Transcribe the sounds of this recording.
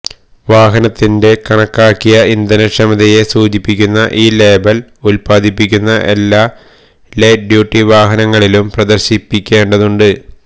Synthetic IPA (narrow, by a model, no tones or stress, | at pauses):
ʋaːɦɐnɐt̪ːinde̞kɐɳɐkːaːkːijɐind̪ɐnɐʂɐmɐd̪ɐje̞suːd͡ʑipːikʲːunːɐʔiːle̞ːbɐlulpaːd̪ʱipːikʲːunːɐʔe̞lːaː | leːɖjuːʈːiʋaːɦɐnɐŋːɐɭilumprɐd̪ɐrɕipːikʲːe̞ːɳɖɐðuɳɖɨ